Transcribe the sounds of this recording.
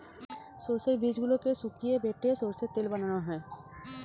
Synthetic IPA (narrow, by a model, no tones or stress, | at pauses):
soːsəbiːd͡ʒɡʊlõkesukiebeːʈesoːɾset̪ɪlbɐnnaɦɛ̃ː